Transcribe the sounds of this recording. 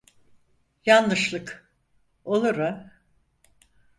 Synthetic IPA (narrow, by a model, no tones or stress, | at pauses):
janːɯʃlˠɯk | olˠuɾɯ